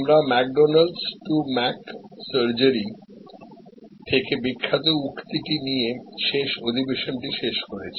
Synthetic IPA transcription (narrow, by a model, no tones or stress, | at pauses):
mɾamɛk̚ɖonalɖsʈumɛksəɾd͡ʑəɾi | t̪ʰekebikʰːat̪oukt̪iʈinijeʃeʃod̪ʱibeʃonʈiʃeʃkoɾet͡ɕʰi̥